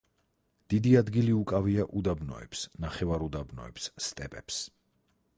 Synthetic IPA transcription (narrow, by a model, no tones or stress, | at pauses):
d̪̥id̪iad̪ɡiliukʼaviaʔud̪abnɔ̰ɛ̰psnaχɛvaɾud̪abnɔ̰ɛ̰psːt̪ʼɛpʼɛps